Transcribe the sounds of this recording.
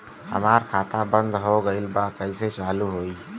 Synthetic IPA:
hə̰maːɾkʰaːt̪ʰabə̃nd̪ɦoɡəɪlbakəiset͡ʃaːluɦoːiː

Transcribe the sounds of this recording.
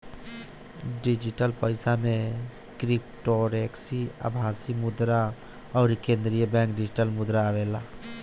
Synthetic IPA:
ɖid͡ʒɪʈəlpəɪsamẽ | kɾip̚ʈoɾeːksiə̰bʱaːsimʊd̪ɾa | ɔːɾkẽːnd̪ɾijəbɛ̃ːŋkɖɪd͡ʒɪʈəlmʊd̪ɾaːʋeːlaː

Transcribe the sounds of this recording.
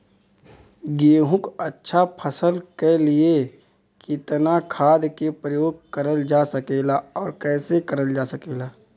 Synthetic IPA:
ɡeːɦʊ̃kətːʃʰapʰəsəlkelɪe | kɪt̪nakʰaːd̪kepɾəjoːɡ̚kəɾəld͡ʒasəkeːlaɔːɾkɛːsekəɾəld͡ʒaːsəkeːlaː

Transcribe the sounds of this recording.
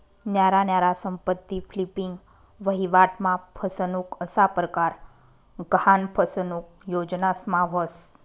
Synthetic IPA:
njaɾanjaɾasəmpət̪ːiflipiŋɡ | ʋəɦiʋaʈmãpʰəsənukəsapɾəkaɾ | ɡɦanpʰəsənuk̚ | jod͡ʒnasmãʋəs

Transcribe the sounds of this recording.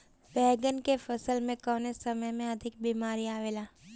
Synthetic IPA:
bɛːɡənkefəsəlmẽkɔːnesəməjmẽəd̪ʱɪk̚biːmaːɾiaːʋeːlaː

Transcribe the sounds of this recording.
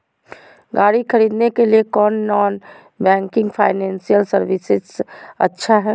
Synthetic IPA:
ɡaːɽikʰəɾiːd̪nekeliekɔːnːɔːn | bɛ̃ːŋkɪ̃ŋɡpʰaːɪnɛ̃ːnsijəlsəɾʋɪsɪzə̰tːʃʰaɦɛ

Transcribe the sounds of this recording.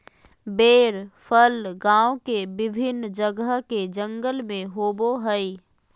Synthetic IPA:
beːɾpʰəlɡãːwokebɪbʱɪnd͡ʒəɡəɦked͡ʒə̃ŋɡəlmẽɦoːboɦəi

